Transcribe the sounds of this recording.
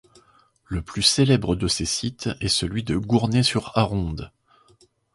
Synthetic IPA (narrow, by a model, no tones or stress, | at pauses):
ləplyselɛbʁəd̪əsesit̪ɛsəlɥid̪əɡuʁnesyʁaʁɔ̃d̪